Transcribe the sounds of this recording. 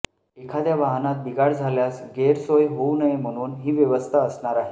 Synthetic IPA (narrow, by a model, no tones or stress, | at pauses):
ekʰad̪jaʋaɦnat̪̚biɡaɽd͡zʱaljasɡeɾsojɦounəjm̤əɽ̃uːnɦiːʋjeʋəst̪ʰaəsɳaɾaɦe